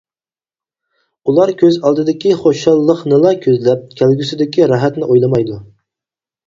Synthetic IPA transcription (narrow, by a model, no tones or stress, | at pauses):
ulˠɑɾkʲʰøzɑlˠd̪ɨd̪ɪkʲiχoʃɑlˠːəqnɨlˠɑkʲʰøzlɛp̚kʲʰælɡʲysɪd̪ɪkʲʰiɾɑɦɛt̪nɪʔojlˠɨmɑjd̪u